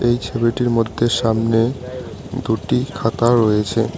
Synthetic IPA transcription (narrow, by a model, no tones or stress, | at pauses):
ejt͡ɕʰebeʈiɾmod̪ʱːeʃamne | d̪uʈikʰat̪aɾojet͡ɕʰe